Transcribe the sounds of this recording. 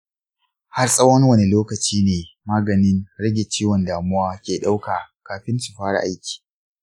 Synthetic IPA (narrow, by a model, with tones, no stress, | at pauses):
ha˦rsʼɐ˦wɐ˦ŋwɐ˨ne˨loː˦kɐ˨t͡ʃiː˦neː˨maː˦ɡɐ˨nɪ˦nɽɐ˦ɡʲe˨t͡ʃiː˦wɔ˨ndaː˨mʊ˦waː˦kʲeː˨ɗa˦wkaː˨kaː˨ɸɪ˦nsu̥˨ɸaː˦ɽa̰˨ʔa˦jkʲi̥ː˨